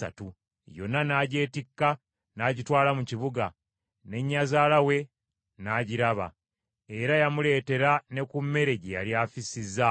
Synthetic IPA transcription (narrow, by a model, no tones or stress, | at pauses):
a̰tu | jo̞̰nːanaɟe̞ːtikːa | naɟitwaːlamuciβuɡa | ne̞ɲːazaːlawe̞ | naːɟiɾaβa̰ | e̞ɾajamule̞ːte̞ɾane̞kumːe̞ɾe̞ɟeja̰ljafisizːa